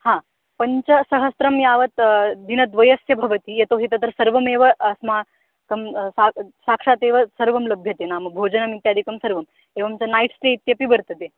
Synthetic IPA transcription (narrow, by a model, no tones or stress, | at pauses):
hã | pəɲt͡ɕɐsɐɦəst̪ɾɐmjaʋət̪d̪inɐd̪ʋɐjɐsjɐbʱɐʋət̪ijet̪oɦet̪ət̪ɐɾsəɾʋɐmeʋəːsma | kɐmsasakʂat̪eʋəsəɾʋɐmləbʱjɐt̪enamɐbʱod͡ʑənamit̪jaːd̪ʱikəmsəɾʋɐm | eʋəmt͡ɕanaiʈsʈ̪eit̪jɐpibəɾt̪ət̪e